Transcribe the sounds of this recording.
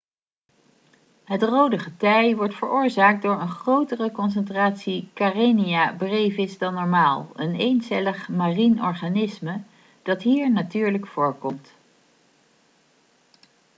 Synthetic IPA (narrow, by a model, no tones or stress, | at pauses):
ɦətrowdəχətɛjʋɔɹtfəɹʔʊːɹzaːk̚dʊːɹənχrowtərəkɔns̬ɛntraːtsikareniabrejvɪzdɑnːɔɹmaːlˠənejnsɛləχmarinɔɹχanɪsmə | d̥ɑtɦiːɹnatyːɹləkfʊːɹkɔmt